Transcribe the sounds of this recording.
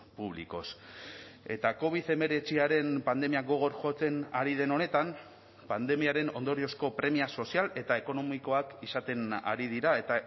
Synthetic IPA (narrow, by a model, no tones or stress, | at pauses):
puβ̞lḭko̞̰s | e̞t̪ako̞β̞iðe̞me̞ɾe̞t͡siaɾe̞mpand̪e̞miaɡo̞ɣ̞o̞ɾʝo̞t͡se̞naɾið̞e̞no̞ne̞t̪am | pand̪e̞miaɾe̞no̞nd̪o̞ɾio̞sko̞pɾe̞miaso̞siale̞t̪ae̞ko̞no̞miko̞akisat̪e̞na̰ɾið̞iɾae̞t̪a